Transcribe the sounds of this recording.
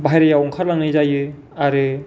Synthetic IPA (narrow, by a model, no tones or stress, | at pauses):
bʱajɾejawɔŋkʰaɾlaŋnɯjzajɯ | aɾɯ